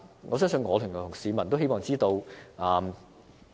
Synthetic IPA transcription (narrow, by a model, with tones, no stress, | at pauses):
ŋʔɔː˨˧sœː˥ŋsɵ˧nŋɔː˨˧lʰy˨˩ŋnɔ˨˩ʊ˨˩ŋsiː˨˧mɐ˨˩nt̪wɦe˥mɔː˨ŋt͡siː˥t̪o˧wʔɐː˨˩m